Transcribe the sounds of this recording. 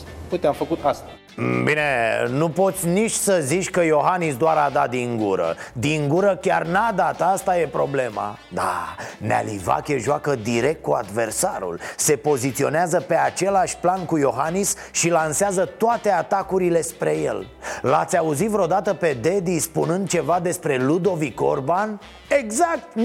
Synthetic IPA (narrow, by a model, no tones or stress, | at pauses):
put̪eamfəkut̪ast̪a | bine̞nupo̞t̪sʲnit͡ʃʲsəzit͡ʃʲkəjo̞ɦanis̬d̪oaɾad̪ad̪iŋɡuɾə̰d̪iŋɡuɾəkʲarnad̪at̪əast̪aje̞pɾo̞̰ble̞ma̰ | d̪anea̰liva̰kʲeʒoakəd̪iɾe̞k̚t̪̚kuad̪ve̞rsaɾṵlse̞po̞zit̪sio̞̰neazəpe̞at͡ʃe̞laʃʲplankujo̞ɦanis | ʃilanseazət̪oat̪e̞at̪akuɾile̞spɾeje̞̰l | la̰t̪sʲauzit̪vɾeod̪at̪əpe̞d̪e̞d̪ispunɨnd̪̚t͡ʃe̞vad̪e̞spɾe̞lud̪o̞viko̞̰rban | e̞ɡzak̚t̪